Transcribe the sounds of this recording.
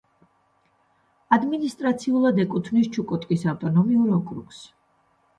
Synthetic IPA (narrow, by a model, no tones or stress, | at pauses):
ad̪minist̪ʼɾat̪sʰiulˠad̪ɛkʼut̪ʰvnist͡ʃʰukʼɔt̪ʼkʼisawt̪ʼɔnɔmiuɾɔkʼɾṵks